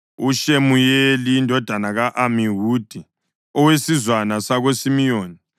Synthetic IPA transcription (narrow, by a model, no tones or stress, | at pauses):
uʃemujelijːndʱɔd̥ʱanaɣaʔamiɦuːd̥ʱi | ɔwesizwanasaɣosimijoːni